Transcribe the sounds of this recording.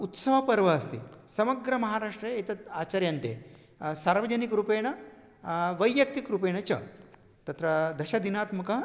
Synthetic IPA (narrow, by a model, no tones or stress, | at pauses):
ut̪sɐʋɐpɐɾʋɐːst̪ḭsɐmɐɡɾɐmɐɦaːɾaːʂʈɾɐet̪ɐt̪aːt͡ʃaɾjɐnt̪ḛː | saːɾʋɐd͡ʑɐnikɾupeːɳ̃ɐ | ʋɐjːjɐk̚t̪ikɾupeːɳɐt͡ʃɐ̰ | t̪ɐt̪ɾɐd̪ɐʃɐd̪inaːt̪mɐkɐ